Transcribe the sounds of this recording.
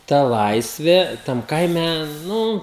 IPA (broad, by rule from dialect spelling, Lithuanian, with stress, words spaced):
ˈtɐ ˈlˠɐɪsʲʋʲeː tɐm ˈkɐɪmʲɛ ˈnʊ